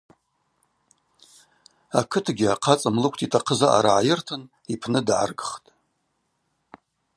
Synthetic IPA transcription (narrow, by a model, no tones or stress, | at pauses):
akʰɨtʰɡʲɪaqʰat͡sʼamlɨkʷʰtʰʼitʰaqʰəzaʔa̰ɾaʕajɪrtʰɨn | ipʰnɨdʕa̰rɡɨχtʼ